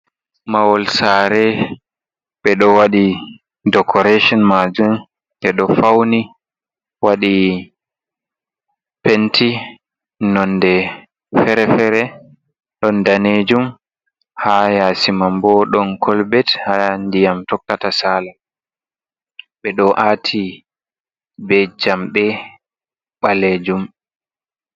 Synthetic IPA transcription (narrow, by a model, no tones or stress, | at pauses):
mawɔlsaːɾɛ | ɓɛɗɔwaɗi | dɛkʰɔɾeʃɔnmad͡ʒum | ɛɗɔfawni | waɗi | pentʰi | nɔndɛ | fɛɾɛfɛɾɛ | ɗɔndaned͡ʒum | hajasimambɔɗɔnkʰɔlbɛthandijamtɔkːatasaːla | ɓɛɗɔʔatʰi | bɛd͡ʒamɓɛ | ɓaled͡ʒum